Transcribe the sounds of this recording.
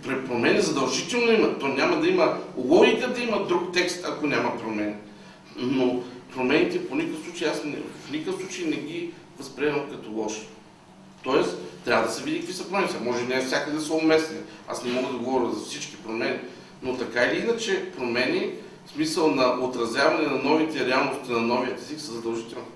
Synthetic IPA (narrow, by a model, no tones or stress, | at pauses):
pɛpɾomɛnizɐd̪ɐlˠʒit̪ɛlˠnoimɐt̪onʲamɐd̪ɐiməlˠɔɡikəd̪ɐimɐd̪ɾukt̪ɛkst̪ɐkonʲamɐpɾomɛnʲi | nopɾomɛnit̪ɛponʲikəəfsˠut͡ʃeiasnɛ̰vfnikəfsˠut͡ʃəjnɛɡʲi | vɐspɾiɛnəmkɐt̪olˠɔʃi̥ | t̪ɔɛst̪ːɾʲavəd̪ɐsɛvid̪ʲikəkvisɐpɾomɛnit̪ɛmɔʒɛinɛfsʲakəd̪ɐsəomɛsnia̰snɛmɔɡəd̪ɐɡovɔɾʲəzɐfsit͡ʃki̥pɾomɛni | not̪ɐkailiinɐt͡ʃɛpɾomɛni | smisəlˠnɐʔot̪ɾɐzʲjavɐnɛnɐnɔvit̪ɛɾɛalˠnost̪ɛnɐnɔviət̪ɛziksəzɐd̪ɐlˠʒit̪ɛlʲˠni